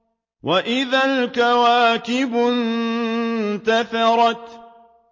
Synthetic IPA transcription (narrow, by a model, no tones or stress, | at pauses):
wʔaʔɪðalkawaːkɪbʊn | t̪aθɑɾˤɑt̪